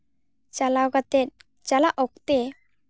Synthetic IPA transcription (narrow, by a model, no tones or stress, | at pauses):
t͡ɕalawɡat̪et̪̚ | t͡ɕalaʔɔkt̪e